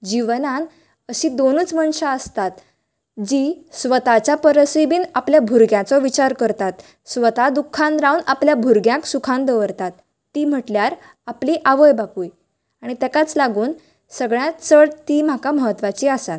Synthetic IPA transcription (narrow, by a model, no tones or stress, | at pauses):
d͡ʑiʋnãn | əɕiːd̪onuːt͡sməɳɕaəst̪at̪ | d͡ʑiːsʋət̪at͡ɕapəɾəsibiːnapljabʱuɾɡjãt͡sɔʋit͡ɕaɾkəɾt̪at̪ | sʋət̪ad̪ukʰːãnɾaunapljabʱuɾɡjãksukʰãnd̪əʋəɾt̪at̪ː | iːm̤əʈljaɾ | apliʔaʋəjbakuːj | aɽ̃it̪ɛkat͡slaɡuːn | səɡɭjat͡səɽt̪iːm̤akaməɦət̪ːʋat͡ɕiːasat̪